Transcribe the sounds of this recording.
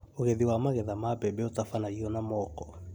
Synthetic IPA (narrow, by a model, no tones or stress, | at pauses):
oɣɛðiwamaɣɛðamapɛbɛotafanaiɔnamɔkɔ